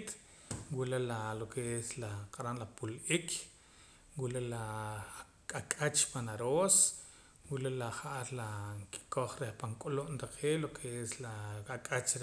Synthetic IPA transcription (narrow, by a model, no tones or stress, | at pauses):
t̪ | wulelalokʰeeslaqaɾanlapulʔikʰ | wulela | kʼakʼat͡ʃpanaɾoːs | wulelaχaʔaɾlaŋki̥koχɾehpaŋkʼuloʔnt̪aqʰeːlokʰeeslaakʼat͡ʃ